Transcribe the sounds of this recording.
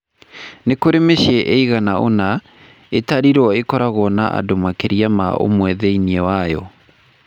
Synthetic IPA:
nekoɾemeʃjɛʔeiɣanaʔona | etaɾiɾwɔekɔɾaɣɔnaʔa̰domakeɾiama̰o̰mwɛðɛiniɛwajɔ̰

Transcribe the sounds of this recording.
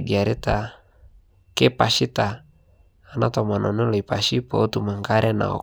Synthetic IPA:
diaɾit̪a | kepasit̪aː | nat̪ɔmanɔnoloipasipout̪umaŋkaɾɛna̰ɔ̰

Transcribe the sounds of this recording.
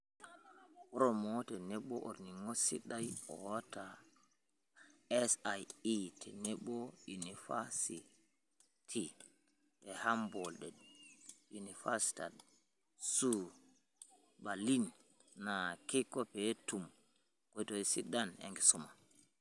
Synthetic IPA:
kɔɾɔmɔtɛnɛɓːɔʔo̰ɾniŋɔsḭɗajɔ̰wɔta | ɛsajitʰɛnɛɓɔjunifasi | tʰi | ɛhambɔlɗɛɗjunifasi̥ta̰d | su | balinː | akikːɔpɛtum | kɔjtɔisḭɗːanɛ̰ŋɡɛsuma

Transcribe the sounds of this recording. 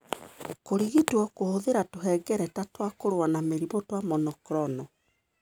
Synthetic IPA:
koɾiɣitwɔkohoðeɾatoɦɛɡɛɾɛtatwakoɾowanameɾimɔtwamɔnɔkɾɔnɔ

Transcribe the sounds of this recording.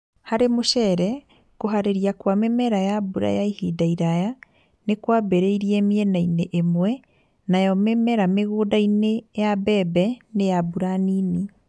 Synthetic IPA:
haɾemoʃɛɾɛ | koɦaɾeɾiakwamemɛɾajabuɾa̰jaihidaiɾaja | nekwabeɾeiɾiɛmiɛnaineʔemwɛ | najɔmemɛɾameɣoːdainejabɛbɛnejabuɾaniːni

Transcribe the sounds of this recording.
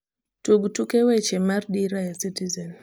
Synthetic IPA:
tuɡtukɛwɛt͡ʃɛmaɾɗiɾajasitizɛn

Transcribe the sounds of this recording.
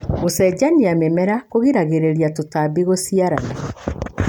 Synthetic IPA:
osɛɟaniamɛmɛɾakoɣiɾaɣeɾeɾiatotabiɣosiaɾana

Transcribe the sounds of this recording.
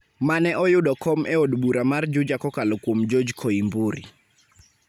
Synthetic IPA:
manɛʔɔjʊɗɔkɔmʔɛodbuɾamard͡ʒʊd͡ʒakɔkalɔkwomd͡ʒod͡ʒkʰoimbuɾḭ

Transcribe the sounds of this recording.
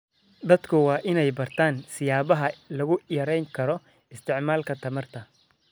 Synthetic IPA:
d̪ɐd̪̥kʰʊwɑːʔɪnɛjbɐrt̪ʰaːnsɪjaːβɐɦɐlɐɣʊjɐɾɛjŋkʰɐɾɔ | ɪst̪ʰɪʕmaːlkʰɐt̪ʰɐmɐrt̪ʰɐ

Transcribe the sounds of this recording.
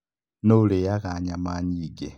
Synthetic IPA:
noulejakaɲamaɲiːɡe

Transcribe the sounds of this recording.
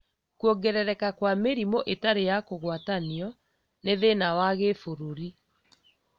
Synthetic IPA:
kuɔɡɛɾɛɾɛkakwameɾimoʔetaɾejakoɣwataniɔ | neðenawaɣefoɾoɾi

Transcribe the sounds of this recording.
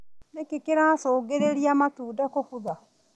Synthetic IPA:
nekekeɾasoːɡeɾeɾiamatuːdakofuða

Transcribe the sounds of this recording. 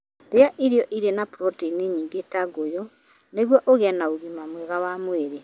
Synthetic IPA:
ɾeaʔiɾiɔʔiɾenapɾɔtiniɲiːŋɡetaɡojɔ | neɣwɔʔoɣɛnaoɣimamwɛɣawamweɾe

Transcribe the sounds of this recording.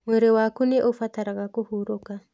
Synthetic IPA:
mweɾewakuneʔofataɾaɣakuhuɾoka

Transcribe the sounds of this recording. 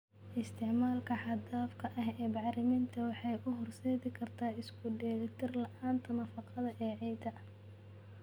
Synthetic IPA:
ʔɪst̪ʰɪʕmaːlkʰɐħɑd̪aːfkʰɐʔɐɦɛːbɑʕɾɪmint̪ʰɐwɑħɑjʔʊɦɔrsɛːðɪkʰɐrt̪ʰaːɪskʰʊɖɛːlt̪ʰɪrlɐʔaːnt̪ʰɐnɐfɑqɑðɐʔɛːʕɛjd̪ɐ

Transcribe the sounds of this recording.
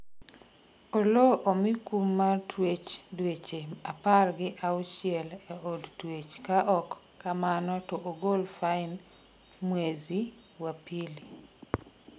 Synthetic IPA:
oloʔomikumːatʰwet͡ʃdwet͡ʃeaparɡɪʔaʊt͡ʃɪɛlɛodtwet͡ʃkaʔɔkː | amanɔtɔʔoɡolfaɪn | mwezi | wapili

